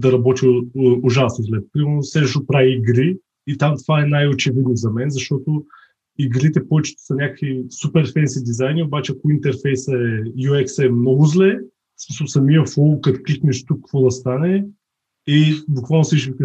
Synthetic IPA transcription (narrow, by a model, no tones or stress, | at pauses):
d̪ɐɾɐbɔt̪ʲiʊʒasnozlɛpɾimɛɾnosɛʒʃopɾaviːɡɾiː | t̪amt̪ovaɛnajot͡ʃɛvid̪nozɐmɛnzɐʃt̪ɔt̪o | iɡɾit̪ɛpɔvɛt͡ʃɛ̥t̪o̥sɐnʲakə̥kvisupɛɾfɛnsid̪izajniobat͡ʃɛɐkʊint̪ɛɾfɛjsɐɛjuɛksɛmnɔɡʊzlɛ | smisəlˠsɐmiəfɔlˠkɐt̪kliknɛʃt̪ukːɐkvɔd̪ɐst̪anɛ | ibʊkvalˠnʊsiʃvikə